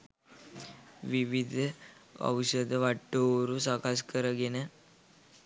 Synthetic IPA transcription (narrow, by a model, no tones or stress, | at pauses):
ʋiʋid̪ʱɐ̰wʃəd̪ɐʋaʈːoɾusakaskəɾaɡene